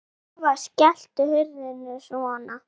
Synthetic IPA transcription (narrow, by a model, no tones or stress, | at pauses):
vascɛl̥t̪ʏhʏɾðɪnːʏsɔna